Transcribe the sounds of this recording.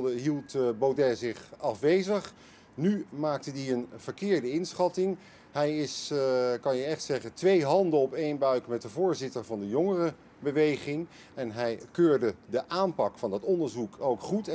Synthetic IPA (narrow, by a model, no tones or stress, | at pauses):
dəɦilˠtbowdɛzɪχɑfʋejzəχ | nymaːk̚tədiənv̥əɹkɪːɹdəɪnsχɑtɪŋ | hɛjɪskɑnjəɛχtsɛχəntʋejɦɑndəɔpejnbœɥkmɛt̚dəvʊːɹzɪtəɹvɑndəjɔŋərə | bəʋejχɪŋ | ɛnɦɛjkøːɹdədəʔaːmpɑkfɑndɑtɔndəɹzukʰowkχut